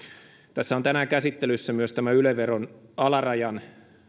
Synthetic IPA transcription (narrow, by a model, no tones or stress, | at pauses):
t̪æsːæont̪ænækæsit̪ːelysːæmyøst̪æmæyleʋeronɑlɑrɑjɑn